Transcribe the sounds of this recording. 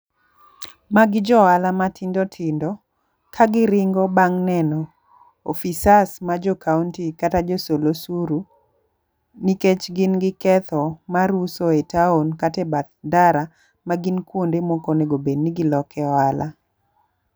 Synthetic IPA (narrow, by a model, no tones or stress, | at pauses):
maɡɪd͡ʒɔalamatʰɪndɔtʰɪndɔ | kaɡɪɾɪŋɡɔbaŋnɛnɔ | o̰fisasmad͡ʒɔkʰauntikatad͡ʒosolosuɾu | niket͡ʃɡɪnɡɪkɛt̪ɔmaɾusoetaonkatɛbat̪daɾa | maɡɪnkwondemokoneɡobedniɡɪlɔkɛɔalʔa